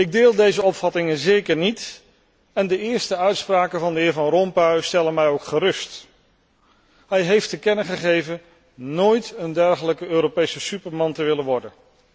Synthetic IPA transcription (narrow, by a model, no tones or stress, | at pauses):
ɪɡ̚dɪːlˠdejzəɔpfɑtɪŋənzeːkəɹnit | ɛndəɪːɹstəœɥtspraːkəvɑndəɪːɹvɑnrɔmpœɥstɛlənmɛjowkχərɵst | ɦɛjɦejftəkɛnəχəχejvən | noːjtəndɛɹχələkəøːɾopejsəsypəɹmɑntəʋɪlənʋɔɹdən